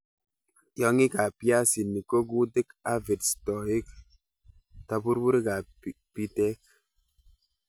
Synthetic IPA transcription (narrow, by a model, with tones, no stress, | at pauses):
jɔ˨˦ŋi˦ka˨pja˦si˨nːi˨ko˦ɡu˦de˦ka˦ve˨tstɔ˨i˦k | ta˨bu˦ɾbu˦ɾi˦ka˨ | pi˦tɛ˦k̚